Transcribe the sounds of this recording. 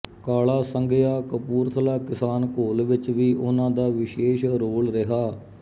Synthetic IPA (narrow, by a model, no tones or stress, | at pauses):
kaːlaːsəŋɡejaːkəpuːɾt̪ʰəlaːkɪsaːnkoːlʋɪt͡ʃʋiːʔʊnãːd̪aːʋɪʃeːʃɾoːlɾɪɦaː